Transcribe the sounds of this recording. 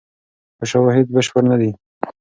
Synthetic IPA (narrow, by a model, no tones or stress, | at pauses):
pəʃawɑɦɪd̪̚bɪʃpəɾnad̪i